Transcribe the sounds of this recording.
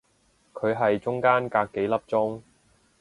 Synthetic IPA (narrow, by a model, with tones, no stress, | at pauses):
kʰɵ˨˧ɥɦɐ˨jt͡ʃʊ˥ŋkaː˥nkaː˧kːe˨˥jlɐ˥p̚t͡sʊ˥ŋ